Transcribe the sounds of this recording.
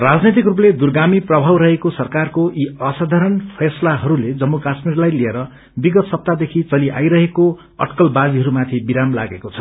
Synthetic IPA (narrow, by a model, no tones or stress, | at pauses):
rad͡znet̪̬ikrupled̪urɡamiprʌbʱawɾʌɦekosʌrkarkoʔiʌsad̪ʱaɾʌnpʰeslaɦʌɾuled͡zʌmːukasmirlajlieɾʌ | biɡʌt̪sʌp̚t̪ad̪ekʰit͡sʌliʔa̰jɾʌɦeko | ʌ̰ʈkʌlbad͡ziɦʌɾumat̪ʰibiɾamla̰ɡekot͡sʰʌ̥